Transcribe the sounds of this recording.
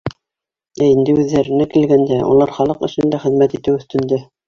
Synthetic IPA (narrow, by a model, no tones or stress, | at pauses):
æind̪ɘʉðːæɾɘ̆nækilɡænd̪æṵlˠɑɾχɑlˠɤqɤ̆ʃɵ̆nd̪æχɘ̆ðmæt̪it̪ɘwɵ̆θt̪ɘ̆nd̪æ